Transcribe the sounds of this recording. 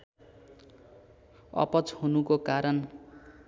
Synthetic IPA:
ʌ̰pʌt͡shunukokaɾʌn

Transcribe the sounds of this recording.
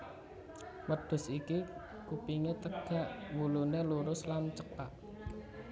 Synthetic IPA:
məd̪̥ʊ̤siki | kupiŋet̪əɡ̥ä̤ʔwuluneluɾʊslant͡ʃəkaʔ̚

